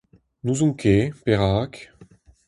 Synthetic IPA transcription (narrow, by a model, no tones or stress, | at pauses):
nuzũŋkʰepeʁaːk